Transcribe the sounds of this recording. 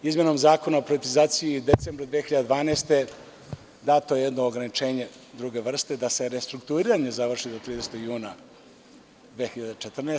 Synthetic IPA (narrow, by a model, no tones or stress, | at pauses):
izmjeno̞mzaːko̞naopɾiʋet̪izaːt̪sijid̪et̪seːmbɾad̪ʋexiʎad̪d̪vaːneːst̪e̞ | d̪aːt̪oejed̪noːɡɾanit͡ʃe̞ːɲe̞ | d̪ɾuɡe̞ʋr̩st̪ed̪ase̞ɾest̪ɾukt̪uɾiɾaɲe̞zaʋr̩ʂid̪o̞t̪ɾiːd̪eset̪oɡjuːna | d̪ʋexiʎad̪et͡ʃet̪r̩na